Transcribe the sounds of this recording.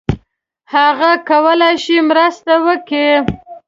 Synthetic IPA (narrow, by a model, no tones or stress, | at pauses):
haɣakawəlajʃimɾəst̪awəke